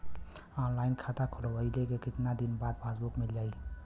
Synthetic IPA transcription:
ɔːnlaːɪnkʰat̪akʰolobəilekekɪt̪nad̪inbaːd̪pʰaːsbukmeld͡ʒaːi

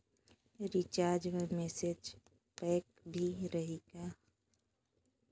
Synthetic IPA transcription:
ɾit͡ʃaːɾd͡ʒmemɛːsed͡ʒ | pɛːk | bʱiɾəɦeːɡaː

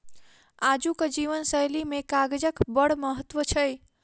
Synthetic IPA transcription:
ad͡ʒukəd͡ʒiʋənsəjlimekaɡd͡ʒəkbəɽməɦət̪ːʋət͡ʃʰəj

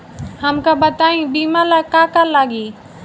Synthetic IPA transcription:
həmkabət̪aːĩbiːmalakaːkaɾlaɡiː

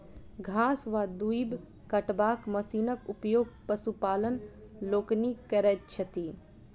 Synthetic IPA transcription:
ɡʱãːsʋad̪uib | kɐʈbaːkmɐsiːnəkʊpjoːɡ̚pəsupaːlən | loːknikɐɾɛt̚t͡ʃʰɐt̪iː

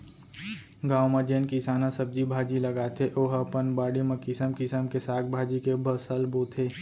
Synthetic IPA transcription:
ɡaːwmãd͡ʒeːnkɪsaːnasɐb̚d͡ʒibʱaːd͡ʒilɐɡaːt̪ʰeʔoːɦəpənbaːɽimẽkɪsəmkɪsəmkesaːk̚bʱaːd͡ʒikebʱəsəlboːt̪ʰeː

